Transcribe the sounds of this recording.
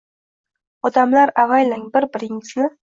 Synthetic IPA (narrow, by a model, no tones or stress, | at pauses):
ɒd̪amlaɾavajlɪŋbɪɾbɪɾɪŋɪsɪnɪ